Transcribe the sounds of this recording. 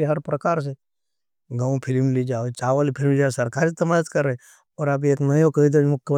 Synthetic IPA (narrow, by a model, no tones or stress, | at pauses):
eɦɐɾpɾɐkaːɾs̬e | ɡəũpʰɪlmlid͡ʒaːet͡ʃaːʋəlipʰɪlmd͡ʒaːsɐɾkaːɾit̪ɐmaːd͡ʒət̪kɐɾːəe | ɔːɾabieːknəjokɐɦid̪omʊkː